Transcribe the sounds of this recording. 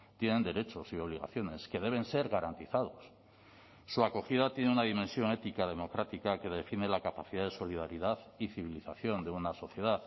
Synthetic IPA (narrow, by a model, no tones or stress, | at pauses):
t̪je̞nẽ̞nd̪e̞ɾe̞t͡ʃo̞sio̞βliɣa̰θjo̞ne̞ske̞ðe̞β̞e̞nse̞ɾɣaɾant̪iθað̞o̞sː | uako̞xiðat̪je̞neunaðimensjo̞ŋe̞t̪ikaðe̞mo̞kɾat̪ikake̞ðe̞fine̞lakapaθiðaðe̞so̞liðaɾiðaðiθiβiliθaθjo̞nd̪e̞unaso̞θje̞ð̞aθ